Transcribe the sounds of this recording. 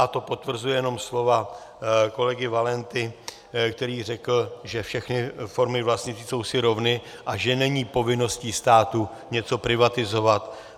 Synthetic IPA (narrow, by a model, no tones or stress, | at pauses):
at̪o̞po̞t̪vr̩zujɛjɛno̞mslo̞va | ko̞lɛɡɪvalɛnt̪ɪ | kt̪ɛɾiːr̝ɛkl̩ʒɛfʃɛxnɪfo̞ɾmɪvlasɲɪt͡s̪ɪso̞wsɪɾo̞vnɪ | ʔaʒɛnɛɲiːpo̞vɪno̞sciːst̪aːt̪u | ɲɛt͡so̞pɾɪvat̪ɪzo̞vat̪